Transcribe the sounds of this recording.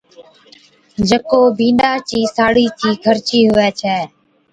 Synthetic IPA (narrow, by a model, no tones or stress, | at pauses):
d͡ʒəkoːbʱĩːnɗaːt͡ʃiːsaːɽiːtʰiːkʰəɾt͡ʃiːɦʊʋɛːt͡ʃʰɛː